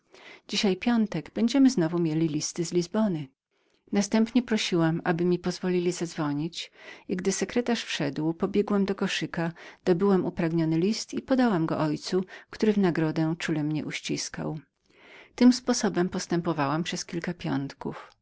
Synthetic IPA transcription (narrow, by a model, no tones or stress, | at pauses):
d͡ʑiɕajpʲjɔnt̪ɛɡbɛɲd͡ʑɛmɘznɔvumʲjelʲilʲist̪ɘzlʲizbɔnɘ | nast̪ɛmpɲɛpɾɔɕiwamabɘmʲipɔzvɔlʲilʲizad̪zvɔɲit͡ɕiɡd̪ɘsɛkɾɛt̪aʂfʂɛd̪wpɔbʲjɛɡwɛmd̪ɔkɔʂɘkad̪̥ɔbɘwamupɾaɡɲɔnɘlʲist̪ipɔd̪awamɡɔ̰ʔɔjt̪sukt̪uɾɘvnaɡɾɔd̪ɛt͡ʂulɛmɲɛʔuɕt͡ɕiska̰w | t̪ɘmspɔsɔbɛmpɔst̪ɛmpɔvawampʂɛskʲilkapʲjɔ̰nt̪kṵf